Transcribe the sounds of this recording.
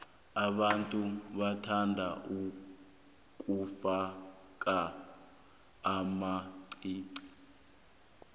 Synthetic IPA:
aɓantʼuɓatʰandʱaʔu | k̬ʼufa | k̬ʼa | maǀiːǀi̥

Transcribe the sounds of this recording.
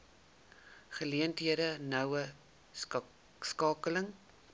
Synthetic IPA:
χəliəntɦiəɾənœwə | skɑːkələŋ

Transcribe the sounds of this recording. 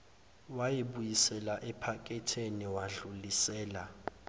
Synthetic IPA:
wajiɓujisɛlaʔɛpʰak̬ʼɛtʰeniwaɮulisɛːla

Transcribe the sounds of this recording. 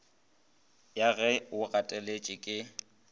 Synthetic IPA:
jaɣɛʊɣatʼɛlet͡ʃʼɪkʼɪ

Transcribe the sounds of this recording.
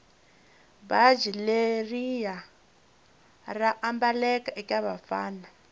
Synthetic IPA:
bad͡ʒilerija | raʔambalɛkaʔɛkʼaβa̰fa̰ːna

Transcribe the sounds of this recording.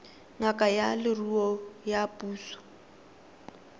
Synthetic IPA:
ŋakʼajalɪruɔjapʼuːsɔ̥

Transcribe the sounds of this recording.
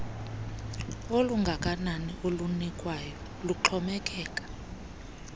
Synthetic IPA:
oluŋɡʱakʼananiʔolunikʼwajɔ | luǁʰɔmɛkʼɛːkʼḁ

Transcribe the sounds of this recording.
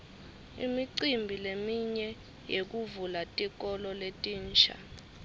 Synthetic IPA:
ḭmiǀimbʱilemiɲɛ | jek̬uvulatʼik̬ʼɔlɔletʼiːnt͡ʃʰa̰

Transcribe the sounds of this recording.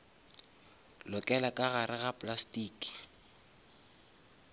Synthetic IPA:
lʊkʼɛlakʼaɣaɾɪɣapʼlastiːkʼi̥

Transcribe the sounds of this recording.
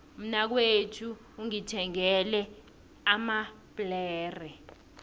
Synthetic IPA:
um̩nak̬wetʰuː | ŋitʰɛŋɛlɛ | ama | pʼlɛːrɛ

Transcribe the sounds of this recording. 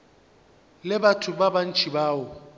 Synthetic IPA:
lɪbatʰʊbaban̩t͡ʃʰʼibaːwʊ

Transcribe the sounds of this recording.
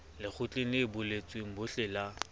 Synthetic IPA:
lɪk͡xʰʊt͡ɬʼɪnɪːbʊlet͡sʼweŋ̩bʊɬɪla

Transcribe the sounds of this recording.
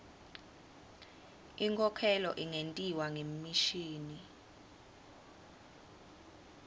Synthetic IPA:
iŋkʰʼɔkʰɛlɔʔiŋentʼiwaŋemmiʃiːni

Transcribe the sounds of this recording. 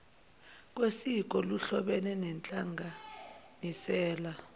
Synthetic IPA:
k̬ʼwesik̬ɔluɬɔɓɛnɛnɛnt͡ɬʼaŋɡʱanisɛːla

